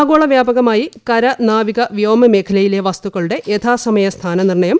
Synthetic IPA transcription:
ɡoːɭɐʋjaːbɐɣɐmaːjikɐɾɐnaːʋiɣɐʋijoːmɐme̞ːkʰɐlɐjileʋast̪uɣɐɭuɽe̞ʔet̪ʰaːsɐmɐjɐst̪ʰaːnɐnirɳɐjɐm

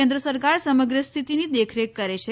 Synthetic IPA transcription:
end̪ɾəsəɾkaɾsəməɡɾəst̪ʰit̪inid̪ekʰɾekːəɾet͡ɕʰe

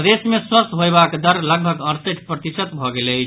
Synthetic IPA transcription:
d̪esmeswəst̪ɦojbakd̪əɾləɡ̚bʱəɡəɾt̪əʈʰpɾət̪isət̪bʱɔɡelət͡ʃʰ

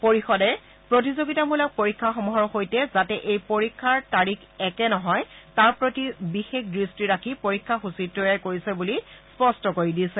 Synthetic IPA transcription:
poɹixɔdɛ | pɹotizoɡitamulak̚poɹikʰːaxɔmɔɦɔɹxojtɛzatɛʔejpoɹikʰːaɹtaɹikʰɛkɛnɔɦɔjtaɹpɹotibixekdɹistiɹakʰipoɹikʰːaxusitːɔjajkoɹisɛbulispɔstɔkoɹidisɛ

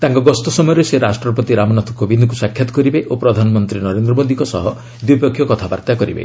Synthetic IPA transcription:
t̪aŋkɔɡɔst̪ɔsɔmɔjɔɾeseɾasʈɾɔpɔt̪iɾamɔnat̪ʰɔkʰobind̪ɔk̬usakʰjat̪ɔ̥kɔɾibeʔopɾɔd̪ʱanɔmɔnt̪ɾinɔɾend̪ɾɔmod̪ʱikɔsɔ̰ɦɔ | d̪uipekʰːjɔkɔt̪ʰaba̰ɾt̪jakɔɾḭbḛ

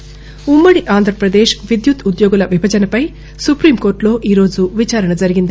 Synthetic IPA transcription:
umːɐɽiʔaːnd̪ʱɾɐpɾɐd̪eːʃʋid̪jut̪ud̪joːɡulɐʋibʱɐd͡ʒɐnɐpɐj | supɾiːmko̞ːɾʈlo̞ːʔiːɾo̞ːd͡ʒuʋit͡ʃaːɾɐnɐd͡ʒɐɾiɡind̪i

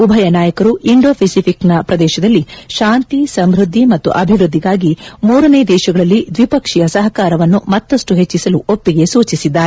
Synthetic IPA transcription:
ubʱɐjɐnaːjɐkɐɾuʔiɳɖo̞ːpʰisipʰiknɐpɾɐd̪ɛːʃɐd̪ɐlːiʃaːnt̪isɐmbɾud̪ʱːimɐt̪ːṵʔɐbʱiʋɾud̪ʱːiɡaːɡimuːɾɐneːd̪ɛːʃɐɡɐɭɐlːid̪ʋipɐkʂijɐsɐɦɐkaːɾɐʋɐnːumɐt̪ːɐsʈuɦet͡ʃːisɐluʔopːiɡe̞suːt͡ʃisid̪ːaːɾe

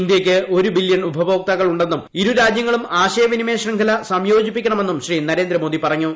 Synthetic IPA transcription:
ind̪jɐkʲːɨo̞ɾubiljɐɳubʱɐbo̞ːk̚t̪ɐɣɐɭuɳɖe̞nːumiɾuɾaːd͡ʑjɐŋːɐɭumaːɕɐjɐʋinime̞ːɕrɐŋkʰɐlɐsɐmjo̞ːd͡ʑipːikʲːɐɳɐme̞nːumɕriːnɐɾe̞ːnd̪ɾɐmoːd̪ipɐrɐɲːu

